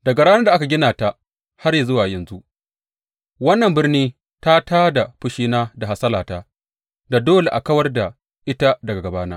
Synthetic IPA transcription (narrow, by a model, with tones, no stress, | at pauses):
dɐ˨ɡa˨ɽaː˦nɐ˦rda˨ʔa˦ka˨ɡʲɪ˦naː˨ta˦ | ha˦rja˨zʊ˦waː˨jɐ˨nzu˦ʔ | wɐ˦nːɐ˨mbɪ˦rniː˦ | ta˦taː˦da˨ɸʊ˦ʃiː˦naː˦da˨ɦa˨sɐ˦laː˨taː˦ | da˨doː˦le˨ʔa˨kɐ˦wɐ˦rda˨ | ʔɪ˦ta˦dɐ˨ɡa˨ɡɐ˨baː˦na̰ː˦